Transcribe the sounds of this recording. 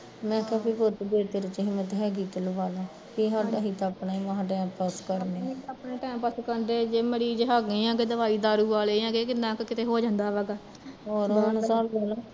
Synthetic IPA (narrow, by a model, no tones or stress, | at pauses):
mɛ̃ːkaːpʰiːpʊt̪d̪eːt̪eɾɪt͡ʃɦimɛ̃t̪ɦɛːɡiːt̪ələbaːlaː | kiːɦaːɖaːɦiːt̪aːpnaːimãːɦʈɛːmpəskəɾneːapneːʈɛːmpəskəɾnd̪eːd͡ʒeːməɽiːd͡ʒeɦaːɡẽːjãːɡeːd̪əʋaːiːd̪aːɾuːʋaːleːjãːɡeːkɪnãːkkɪt̪eːɦoːd͡ʒãːnd̪aːʋaːɡaː | oːɾɦansaːlaːlaː